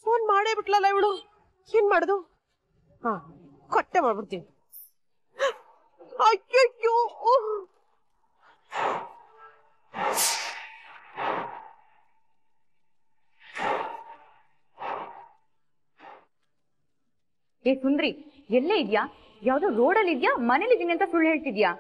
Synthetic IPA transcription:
foːnmaːɽeːbiʈlɐlːɐiʋɭu | eːnmaːɽd̪u | haː | kɐʈːemaːɖbiɾt̪ini | ɐjojːoː | eːsund̪ɾi | ɛlːeid̪jaː | jaːʋd̪oːɾo̞ːɖɐlːid̪jamɐne̞lːid̪iːniɐnt̪ɐsuɭːɦe̞ːɭt̪id̪jaː

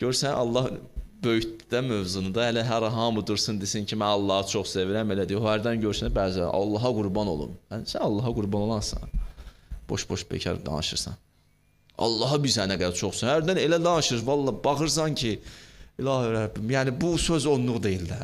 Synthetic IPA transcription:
ɟ̥øɾsænʔɑ̰lˠːɑhbøjyd̪æmøvzunɯd̪ɑhælæɦæɾɑɦɑmɯd̪ɯɾsɯnd̪isincʰimænɑlˠːɑːhɑt͡ʃʰoχseviɾæmelæd̪ijohæɾd̪ænɟøɾsænbæːzæ̰ʔɑ̰lˠːɑɦɑɡuɾbɑno̞̰lˠṵmhænsænɑlˠːɑɦɑɡuɾbɑno̞lˠɑnsɑ̰n | b̥o̞̰ʃbo̞ʃbæ̰cʰɑ̰ɾd̪ɑ̰nɯʃɯ̰ɾsɑ̰n | ɑ̰lˠːɑːɦɑbisænæɡæd̪æɾt͡ʃʰo̞χsunhæɾd̪æne̞læd̪ɑnɯʃɯɾvɑlˠːɑbɑxɯɾs̬ɑncʰiilˠɑːhyɾæbimjæːnibusøzo̞nlˠuʁd̪e̞jild̪æ

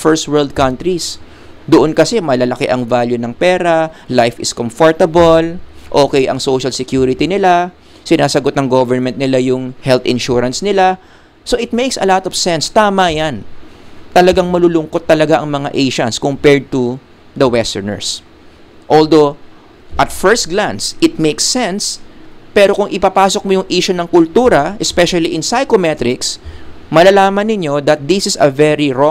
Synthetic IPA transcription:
fɛɹst̪̚wɛɹld̪̚kɐnt̪ɾis | d̪ʊʔonkɐsɛmɐlɐlɐkɛʔɐŋvaljʊnɐŋpɛːɾɐlajfɪskomfoɹt̪ɐbolʔo̞ːkɛjʔɐ̰ŋsowʃɐlsɪkjuɾɪt̪inɪla | sɪnaːsɐɡot̪nɐŋɡovɛɹmɛnt̪̚nɪlajʊŋhɛlt̪ɪ̃nʃuɾɐnsnɪla | so̞ʔɪt̪̚mejksɐ̰lat̪ɔv̥sɛ̃nst̪aːmɐjant̪ɐlɐɡaŋmɐlulʊŋko̞t̪ːɐlɐɡaʔɐŋmɐŋa̰ʔejʃɐnskompɛɹd̪̚t̪ʊ | d̪ɐwɛst̪ɛɹnɛ̰ɹs | ʔold̪o | ʔɐt̪fɛɹst̪̚ɡlansʔɪt̪̚mejksːɛ̃nspɛɾo̞kʊŋʔɪpɐpaːsok̚mojʊŋʔiːʃʊnɐŋkʊlt̪uːɾɐʔɛspɛʃɐliʔɪnsajkomɛt̪ɾɪksmɐlɐlaːmɐnːɪɲo̞d̪ɐt̪̚d̪ɪsɪsɐ̰vɛɹiɹɔ

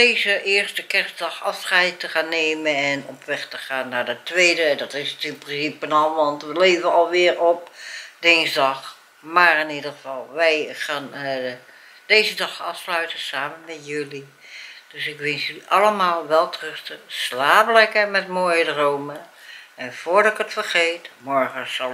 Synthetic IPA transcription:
deːzəʔɪːɹstəkɛɹsdɑxɑfsχɛjtəχaːnːeːmənɛnɔpʋɛxtəχaːnːaɹdətʋeːdədɔtɪstɪnprɪnsipənɔlˠʋɑntʋəleːvəɑlˠʋɪːrɔpd̥ɪnzdɑx | maːrɪnidəɣəv̥ɑlˠʋɛjχaːn | d̥eːzədɑχɑfslœɥtəsaːmənmɛtjʏli | d̥øsɪkʋɪnsjəliʔɑləmaːlˠʋɛlˠtrʏstəslaːblɛkəmɛtmoːjədroːməɛnv̥oːɹdɪkətfərχeːtmɔɹχəsɑl

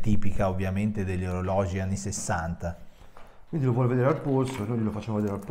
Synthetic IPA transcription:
t̪iːpikaovːjament̪ed̪eʎːoɾolɔːd͡ʒianːisesːant̪a | kwind̪ilovwɔːleved̪eːɾealpolsoenojlilofat͡ʃːaːmoved̪eɾealp

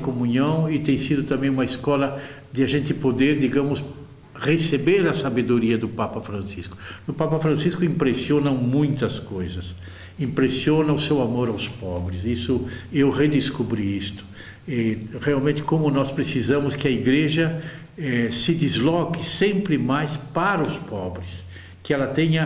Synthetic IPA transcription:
komũɲɐ̃w̃ɪt̪ẽj̃sid̪ʊt̪ɐ̃mbẽj̃ũmɐiskɔlɐ | d̪ɪaʒẽnt̪ɪpod̪eɾd̪iɡɐ̃mʊs | ʁesebeɾɐsabed̪oɾiɐd̪ʊpapɐfɾɐ̃nsiskʊ̥nʊpapɐfɾɐ̃siskʊĩmpɾesionɐ̃w̃mũj̃t̪ɐskojzɐs | ĩmpɾesiõnɐʊsewamoɾawspɔbɾɪsisʊewʁed̪ɪskubɾiist̪ʊ̥ | ɛʁealmẽnt̪ɪ̥kõmʊnɔspɾesizɐ̃mʊskɪɐiɡɾeʒɐ | ɛsɪd̪izlɔkɪsẽmpɾɪmajspaɾɐʊspɔbɾɪs | kɪɛlɐt̪ẽɲɐ

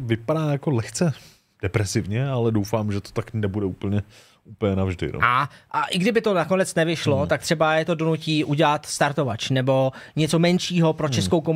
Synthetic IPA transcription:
vɪpadaːjakolɛxt͡sɛ | d̥ɛpɾɛsɪvɲɛalɛdowfaːmʒɛt̪o̥t̪aknɛbudɛuːpl̩ɲɛ | uːpl̩ɲɛnavʒdɪ̰no̰aʔaʔɪɡdɪbɪt̪o̞nako̞nɛt͡snɛvɪʃlo̞t̪akt̪r̝̥ɛbajɛt̪o̞do̞nuciːʔuɟɛlat̪st̪aɾt̪o̞vat͡ʃnɛbo̞ɲɛt͡so̞mɛnʃiːɦo̞pɾot͡ʃɛsko̞wko

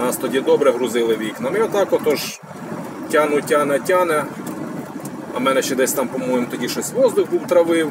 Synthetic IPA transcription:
nɑst̪ɔdʲid̪ɔbɾɛɦɾʊzɪlˠɪʋʲiknɐmiɔt̪ɑkɔt̪ɔʒ | tʲanʊtʲanɛtʲanɛ | ɐ̰mɛnɛʃt͡ʃɛd̪ɛsʲt̪ɑmpɔmɔjemʊt̪ɔdʲiʃɔsʲʋɔzd̪ʊxbuwt̪ɾɐʋɪw

